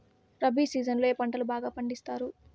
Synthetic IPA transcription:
ɾɐbiːsiːd͡ʒɐnloeːpɐɳʈɐlubaːɡaːpɐɳɖist̪aːɾu

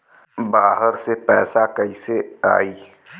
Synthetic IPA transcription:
baːɦəɾsepɛːsakəisea̰ːiː

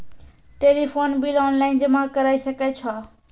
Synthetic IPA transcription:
ʈeːlifʰoːnbiːlɔːnlaːɪnd͡ʑəmakəɾaːisɐket͡ɕʰaː

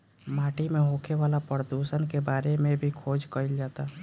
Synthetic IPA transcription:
maːʈimeɦoːkʰeʋaːlapɾəd̪uʃənkebaːɾemẽbʱikʰoːd͡ʒkəɪld͡ʒaːt̪a

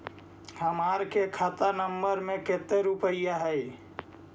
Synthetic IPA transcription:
həmaːɾkekʰat̪anəmbəɾmẽket̪eɾupəɪjaɦɛj

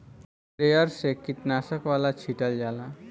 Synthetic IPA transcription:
ɾejəɾsekit̪nasəkʋalat͡ɕʰiʈəld͡ʒala

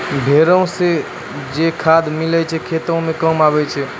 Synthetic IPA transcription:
bʱeɾəõse | d͡ʒekʰad̪milɛt͡ʃʰɛkʰet̪ə̃mẽkəmabɛt͡ʃʰɛ

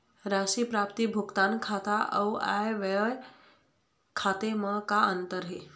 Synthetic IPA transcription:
ɾaʃipɾapt̪ibʱukt̪ankʰat̪aʔə̰wa̰jʋəɭ | kʰat̪eməkaənt̪əɾɦe

